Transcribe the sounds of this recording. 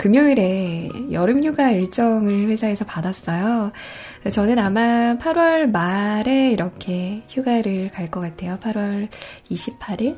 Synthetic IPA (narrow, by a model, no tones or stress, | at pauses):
kɯmjoiɾe̞jʌɾɯmçuɡaiɭt͡ɕ͈ʌŋɯɭɸwe̞sʰaɦe̞sʰʌpadas͈ʌjo | t͡ɕʌnɯnamapʰaɾwʌɭmaɾe̞iɾʌkʰe̞çjuɡaɾɯɭkaɭk͈ʌk͈atʰe̞jopʰaɾwʌɾiɕʰipʰaɾiɭ